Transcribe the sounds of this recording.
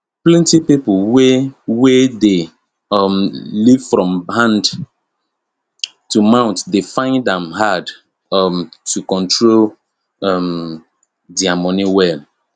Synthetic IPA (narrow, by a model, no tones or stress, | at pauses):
plɛ̃ntipipowewede | ɔmlivfɹɔ̃mɦãnd | tumãʊ̃ntdefãɪ̃ndɛ̃mɦad | mtʰukɔ̃ntʰɹol | ɔm | diamɔniwɛl